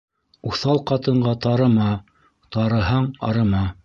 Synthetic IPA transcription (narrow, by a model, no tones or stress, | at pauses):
uθɑlˠqɑt̪ɤ̆ɴɢɑt̪ɑɾɤ̆mɑ | t̪ɑɾɤ̆ɦɑɴɑ̰ɾɤ̆mɑ